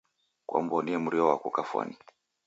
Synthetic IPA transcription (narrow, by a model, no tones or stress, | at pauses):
kwʔa̰mbɔniɛmuɾiɔwakukafwa̰ni